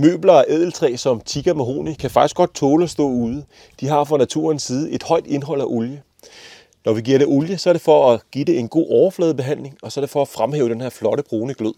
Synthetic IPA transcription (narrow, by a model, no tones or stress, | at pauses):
mø̰ːb̥lɐæʔɛðˠl̩t͡sʰʁɛ̰ːsɒ̽mt͡sʰiɡ̥ɐmeɦo̝̰ːnikʰæfɑ̈ɡ̥isɡ̥ɒ̽d̥̚t͡sʰɔːləɒ̽sd̥ɔ̰̽ːuːð̞ˠə | d̥iɦɑ̈fʁɑnæt͡sʰṵːɐnsiːð̞̩ˠe̝d̥hɒ̽ɪ̰d̥e̝nɦɒ̽l̰æʔoljə | nɒʋiɡ̥iɐɾe̝ʔoljəsɒ̽æɐɾ̥e̝fɒ̽æɡ̥id̥e̝e̝nɡ̥o̝̰ːɒʊɐflɛːð̞̩ˠb̥e̝ɦæn̰le̝ŋɒ̽sɒ̽æɐɾe̝fɒ̽æfʁamɦɛ̰ːʊd̥enheɐflɒ̽ɾ̥əb̥ʁoːnəɡ̥løð̰ˠ